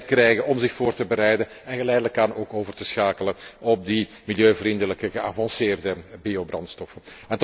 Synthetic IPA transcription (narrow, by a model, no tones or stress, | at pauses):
t̚krɛjɣənɔmzɪxfoːrtəbəɾɛjdən | ɛnɣəlɛjdələkaːnoːkoːvərtəsxaːkələɔb̚di | miljøːvrindələkəɣəa̰ːvɑnsɪːrdəbiobrɑntstɔfənɛnt